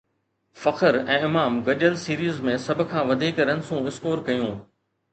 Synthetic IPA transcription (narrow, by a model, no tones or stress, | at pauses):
fɐqəɾɛ̃ːɪmaːmɡɐʄəlsiːɾiːzmẽsɐb̆ʱkʰãːʋɐd̪ʱiːkɾɐnsũɪskoːɾkɐjũː